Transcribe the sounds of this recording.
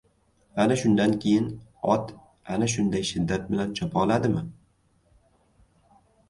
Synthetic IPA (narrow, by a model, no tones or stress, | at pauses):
anaʃʊnd̪ankʲʰejɪnɒt̪ | anaʃ̬ʊnd̪ajʃɪd̪ːat̪̚bɪlant͡ʃʰɒpʰɒlad̪ɪmɪ